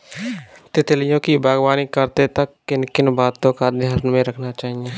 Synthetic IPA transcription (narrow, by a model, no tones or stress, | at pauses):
t̪ɪt̪lɪjõːkibaːɡwaːnikəɾt̪et̪əkːɪnkɪnbaːt̪õkad̪ʱjaːɾnmẽɾəkʰnat͡ʃaːɦieː